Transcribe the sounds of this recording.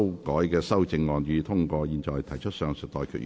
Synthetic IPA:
wkɔː˨˥jkɛː˧sɐ˥wt͡sɪ˧ŋŋɔː˨˧nyː˨˧t̪ʰʊ˥ŋkɔː˧jiː˨˧nt͡ʃɔː˨jt̪ʰɐ˨˩jt͡ʃʰɵ˥t̚sœː˧ŋsɪ˨t̚t̪ɔː˨jkʰyː˨t̚

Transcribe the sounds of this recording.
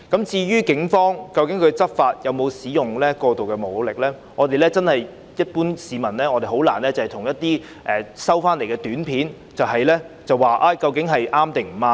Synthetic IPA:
kɐ˨˥mt͡siː˧ɥyː˥kɪ˨˥ŋfɔː˥ŋkɐ˧wkɪ˨˥ŋkʰɵ˨˧ɥt͡sɐ˥p̚faː˧t̚jɐ˨˧wmo˨˧wsiː˨˥jʊ˨ŋlɛː˥kɔː˧t̪o˨wkɛː˧mo˨˩˨wlɪ˨k̚lɛː˥ | ŋɔː˨˧t̪e˨jlɛː˥t͡sɐ˥nhɐ˨j | jɐ˥t̚puː˥nsiː˨˧mɐ˨˩nlɛː˥ŋɔː˨˧t̪e˨jho˨˥wla̰ː˨˩nlɛː˥t͡sɐ˨hɛ˨jt̪ʰʊ˨˩ŋjɐ˥t̪̚iː˥ | ʔɛː˨˩sɐ˥wfaː˥nle˨˩jkɛː˧t̪yː˨˥npʰiː˨˥n | t͡sɐ˨wɦɐ˨jlɛː˥t͡sɐ˨waː˨ʔaː˧kɐ˧wkɪ˨˥ŋɦɐ˨jʔaː˥mt̪ɪ˨ŋm̩˨˩maː˧

